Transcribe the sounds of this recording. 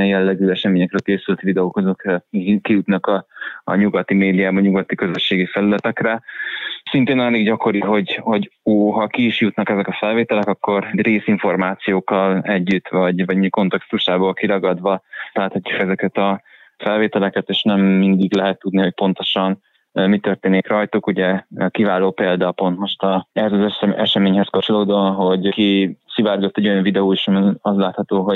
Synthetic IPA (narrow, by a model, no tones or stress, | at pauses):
ɛjɛlːɛɡyːɛʃɛmeːɲɛkrøːlkeːsylt̪ʋid̪ɛoːkozokikijut̪nɒkɒ̰ːɲuɡɒt̪imeːd̪ijaːbɒɲuɡɒt̪ːikø̞zøʃːeːɡifɛlylɛt̪ɛkrɛ | sint̪eːnaliɡɟɒko̞ɾiɦo̞ɟhoɟoːɦɒkiːʃjut̪nɒkɛzɛkɒfɛlveːt̪ɛlɛkɒkːo̞rreːsiɱfo̞rmaːt̪sijoːkːɒlɛɟːyt̪ːvɒɟvɒɟmiko̞nt̪ɛkst̪uʃaːbolkiɾɒɡɒd̪ʋɒlaːt̪hɒcːukɛzɛkɛt̪ɒ | fɛlveːt̪ɛlɛkɛt̪eːʃnɛmːind̪iɡlɛɦɛt̪ːud̪niho̞c̚po̞nt̪o̞ʃɒn | mit̪ørt̪eːnikrɒjt̪ukuɟɛkivaːloːpeːld̪ɒpo̞nt̪mo̞ʃt̪ɒɛhɛzɒzɛɛʃɛmeːɲhɛskɒpt͡ʃo̞loːd̪oɒnɦo̞ɟkisivaːrɡot̪ːɛɟo̞jɒɱvid̪ɛoːiʃɒmiɒzlaːt̪hɒt̪oːɦo̞